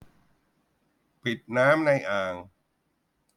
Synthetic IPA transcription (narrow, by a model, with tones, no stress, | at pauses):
pi˨˩t̪̚naː˦˥mna˧jʔaː˨˩ŋ